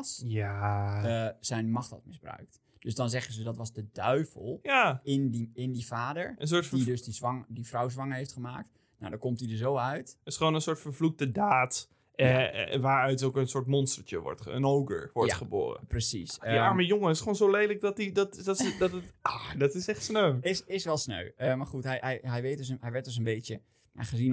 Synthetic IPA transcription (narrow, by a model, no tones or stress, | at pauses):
sjaəz̥ɛjnmɑχtɔ̰tmɪzbrœ̰ɥk̚t | d̥øsdɔnzɛχənzədɔtʋɑzdədœɥvəlˠjaɪndiɪndivaːdəɹəns̬oɹdidøsdizʋŋdifrɔwzʋɑŋəɦeftχəmaːk̚t | na̰wdɔkɔmtidəs̬owœɥtɪsχəʋoːnənsʊːɹtfəɹvluk̚tədaːt | ʋaːɹœɥtowkənsʊːɹtmɔnstəɹt͡ʃəʋɔ̰ɹtə̰nowɡə̰ɹʋɔɹj̰χəbo̰ːrə̰prəsḭsjamajoŋəɪsχəoːnzowlejlək̚dɔtidɔtdɔtdɔtətɔdɑtɪsɛχtsnøɥɪsɪsʋɛlˠsnø̰ɥəmaɹχutɦɛjɦɛjɦɛjʋejt̚døs̬əɦɛjʋɛɹt̚døs̬ənbejjə | a̰χəzin